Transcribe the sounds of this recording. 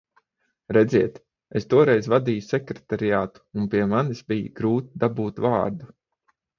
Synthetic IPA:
ɾɛd̪zʲiɛt̪ | est̪uɔɾɛjzvad̪iːjusɛkɾet̪aɾijaːt̪u̥umpiɛmanisbijḭɡɾuːt̪id̪abuːt̪vaːɾd̪u

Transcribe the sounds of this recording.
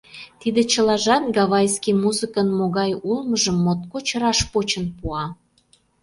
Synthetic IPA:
t̪id̪ĕt͡ɕə̆lɑʒɑt̪ɡɑβɑjskimuzɨkənmoɣɑjulməʒəmːot̪kot͡ɕə̆ɾɑʃpot͡ɕə̆npuɑ

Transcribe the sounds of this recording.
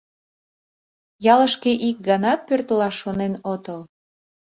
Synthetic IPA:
jɑləʃkeʔik̚ɡɑnɑt̪̚pørt̪əlɑʃonenot̪əl

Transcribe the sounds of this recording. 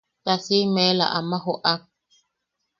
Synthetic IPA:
tasimɛla̰ʔamaɦɔʔak̚

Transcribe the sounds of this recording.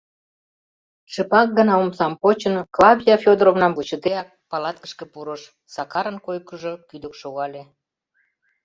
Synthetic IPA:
ʃəpɑk̚ɡə̆nɑumsɑmpot͡ɕənklɑβʲijɑfʲod̪əɾovnɑmvut͡ɕət̪eɑk̚pɑlɑt̪kə̥ʃkə̆puɾə̆ʃ | sɑkɑɾənkojkəʒokyd̪ə̆kʃoɣɑlʲe

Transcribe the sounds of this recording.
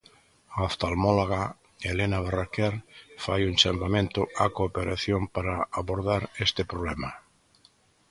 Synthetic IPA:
aast̪almɔlaɣa | elenaβarakɛɾfajunt͡ʃampamẽnt̪ʊakoːpeɾaθjompaɾaaβoɾðaɾest̪epɾoβlɛma

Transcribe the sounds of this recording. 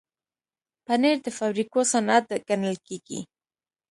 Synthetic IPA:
paneɾd̪əfawɾikosanat̪̚ɡanəlkeɡḭ

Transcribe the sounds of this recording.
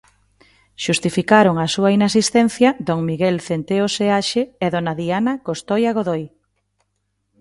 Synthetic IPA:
ʃust̪ifikaɾoŋasuainasist̪ɛn̟θjɐd̪oŋmiɣelθent̪eoseaʃeeðonaðianakost̪ojaɣ̞oðoj

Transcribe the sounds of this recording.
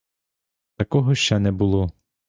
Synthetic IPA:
t̪ɐkɔɦɔʃt͡ʃɛnɛbʊlˠɔ

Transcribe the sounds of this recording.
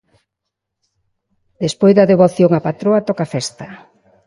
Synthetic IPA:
d̪espojzðɐðeβoθjoŋapat̪ɾoat̪ɔkafɛst̪ɐ

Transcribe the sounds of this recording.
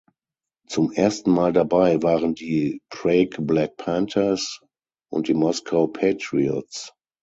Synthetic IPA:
t͡sʊmʔeːɐstn̩maːldabaɪvaːʁəndiːpʰʁeɪkblɛk̚pʰɛ̃ntʰəs | ʔʊ̰ntd̥iːmɔskʰaʊpʰetʁiɔts

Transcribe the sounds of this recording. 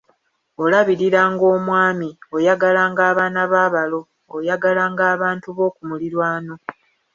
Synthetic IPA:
olaβiɾiɾaːŋɡo̞ːmwaːmio̞jaɡalaːŋɡaːβaːnaβaːβalo̞ː | jaɡalaːŋɡaːβaːntuβo̞ːkumuliɾwaːno̞

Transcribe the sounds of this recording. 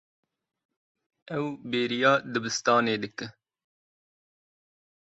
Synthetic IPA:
ɛwbeːɾijɑːd̪ɨbɨst̪ɑːneːd̪ɨk̚t̪ɨ

